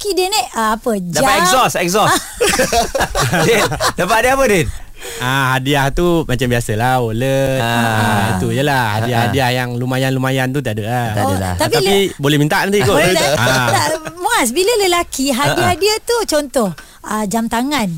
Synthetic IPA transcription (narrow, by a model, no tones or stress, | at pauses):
kidenɛʔəapəd͡ʒdaaaɛzɔsɛksɔs | dapaʔdiapəden | aɦadiaht̪umat͡ʃambiasəlaoləait̪ujəlahhadiahadiahjaŋlumajanlumajant̪ut̪iadəʔlat̪apialibolɛhmint̪aʔnant̪ikoaamuas̬bilələlakiɦadiadiət̪ut͡ʃɔnt̪ɔh | əd͡ʒamt̪aŋan